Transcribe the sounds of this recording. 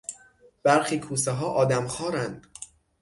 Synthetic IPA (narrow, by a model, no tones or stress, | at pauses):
b̥æɾxiːkʰuːseɦɒːʔɒːd̪æmxɒːɾænd̪̥